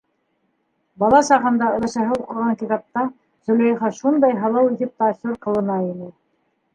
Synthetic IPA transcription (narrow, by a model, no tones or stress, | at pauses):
bɑlˠɑsɑʁɤ̆nd̪ɑɤ̆ɾˠɤ̆ʃɑ̆ɦɤuqɤ̆ʁɑŋkit̪ɑp̚t̪ɑ | zɵ̆lʲæjχɑʃund̪ɑjɦɑlˠɑwiθɘp̚t̪ɑsʲuɾqɤ̆lˠɤ̆nɑinɘ